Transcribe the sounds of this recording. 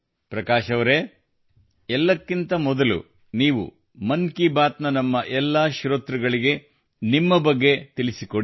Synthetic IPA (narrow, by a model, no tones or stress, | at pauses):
pɾɐkaːʃɐʋɐɾe | ɛlːɐkːint̪ɐmɔd̪ɐlṵ | niːʋṵ | mɐnkibaːt̪nɐnɐmːɐʔɛlːɐʃɾoːt̪ɾɐɡɐɭiɡe̞ | nimːɐbɐɡːe̞t̪ilisikoɽi